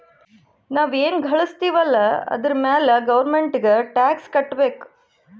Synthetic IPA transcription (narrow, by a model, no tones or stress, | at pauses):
naːʋeːnɡʱɐɭust̪iːʋɐlːɐɐ̰d̪ɐɾɐmeːlɐɡɐʋɐɾmeɳʈiɡeʈaːkskɐʈːbeːku̥